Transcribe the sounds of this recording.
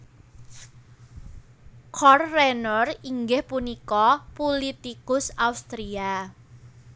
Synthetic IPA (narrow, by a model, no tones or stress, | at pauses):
kʰɔrːenɔriŋɡɪhpunikɔpulit̪ikʊsaust̪ɾia